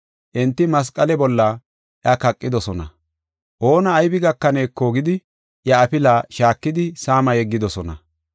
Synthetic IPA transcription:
ʔɛnt̪ːɪmɐs̬kʼɐlɛbɔlːɐ | ʔjɐkɐkʼːɪd̪ɔsɔnɐ̰ | ʔo̞ːnɐːjbɪɡɐkːɐne̞ːkːoːɡɪd̪ɪ | jɐɐpɪlaːʃaːkːɪd̪ɪsaːmɐjɛɡːɪd̪ɔsɔnɐ̰

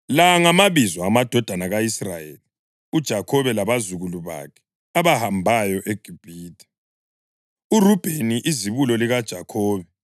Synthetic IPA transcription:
laŋamaβizwaːmad̥ʱɔd̥ʱanaɣaisra̰jḛli | ud̥ʒ̥ʱakʰɔβɛlaβazuɣuluβa̰kʰɛ̥ | aβahambʱajɔʔeɡ̥ʱib̥ʱiːtʰḁ | urub̥ʱeniʔiziβulɔliɣad̥ʒ̥ʱakʰɔːβɛ

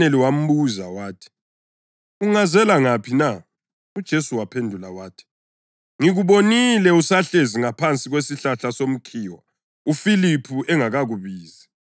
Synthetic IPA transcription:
eliwam̩buzawaːtʰi̥ | uŋazɛlaŋapʰina | ud̥ʒ̥ʱesuwapʰendʱulawaːtʰi̥ | ŋiɣuβonilɛusaɬeziŋapʰant͡sʼiɣwesiɬaɬasom̩kʰiːwa | ufilipʰuʔɛŋaɣaɣuβiːzɛ

